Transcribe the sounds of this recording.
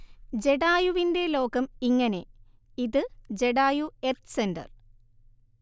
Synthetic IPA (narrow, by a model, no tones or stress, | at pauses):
d͡ʑe̞ɽaːjuʋinde̞lo̞ːkɐmiŋːɐne̞ | iðɨd͡ʑeɽaːjuert̪sendɐ̰r